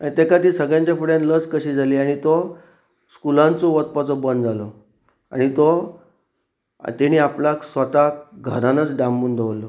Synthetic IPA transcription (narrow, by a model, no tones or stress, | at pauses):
ãit̪ekat̪iːsəɡjãɲt͡ɕafuɽẽnlət͡skəɕiːd͡zʱaliːaɽ̃it̪o | skulãnt͡soʋət̪̚pat͡sɔbənd͡zalo | a̰ɽ̃it̪o | t̪eɽ̃iːaplaksʋət̪aɡʱəɾãnət͡sɖamːuːnd̪ʱəʋlːɔ